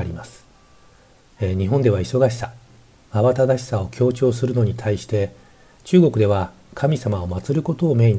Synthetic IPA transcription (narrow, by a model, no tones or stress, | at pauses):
ɾʲimasɨ̥ | ɲ̟iɦõnd̪e̞βaiso̞ɡaɕi̥sḁ | aβat̪ad̪aɕi̥sao̞kʲʰo̞ːt͡ɕo̞ːs̬ɨɾɯ̟no̞ɲ̟it̪ʰaiɕi̥t̪e̞ | t͡ɕɨːɡo̞kɯ̟d̪e̞β̞a | kʰamʲisamao̞mat͡sɨɾɯ̟ko̞t̪o̞ːme̞i